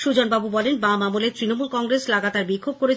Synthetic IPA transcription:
ʃud͡ʑonbabubɔlenbamamulet̪ɾinomulkɔŋɡɾeslaɡat̪aɾbikʰːob̚koɾet͡ɕʰ

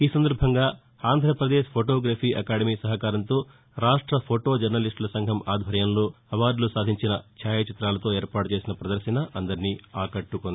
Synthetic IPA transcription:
iːsɐnd̪ɐɾbʱɐŋɡaː | aːnd̪ʱɾɐpɾɐd̪eːʃpʰoːʈoːɡɾaːpʰiːʔɐkaːɽɐmiːsɐɦɐkaːɾɐnt̪o̞ː | ɾaːʂʈɾɐpʰoʈo̞ːd͡ʒɐɾnɐliʂʈlɐsɐŋɡʱɐmaːd̪ʱbɐɾjɐmloː | ɐʋaːɖlusaːd̪ʱiɲt͡ʃinɐt͡ʃʰaːjɐt͡ʃit̪ɾaːlɐt̪o̞ːeːɾpaːʈut͡ʃeːsinɐpɾɐd̪ɐɾʃɐnɐʔɐnd̪ɐɾiniːaːkɐʈːukond̪i

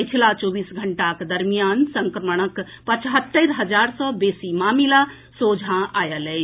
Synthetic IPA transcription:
əjt͡ʃʰilat͡ʃoːbisɡʱəɳʈakd̪əɾmijansəŋkɾəməɽ̃ək | pət͡ʃɦət̪ːəɾɦəd͡ʒaɾsɔ̃besimamila | sod͡ʒʱãajəlɛ

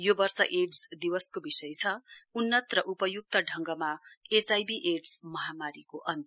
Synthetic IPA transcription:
jobʌrsʌʔeɖsd̪iwʌskobisʌjt͡sʰʌunːʌt̪rʌʔupʌjuk̚t̪ʌɖʱʌŋɡʌmaet͡sajbiʔeɖsmʌɦamaɾikoʔʌnt̪

